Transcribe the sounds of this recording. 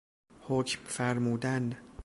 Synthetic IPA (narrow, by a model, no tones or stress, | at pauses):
hoːcmfæɾmuːd̪æn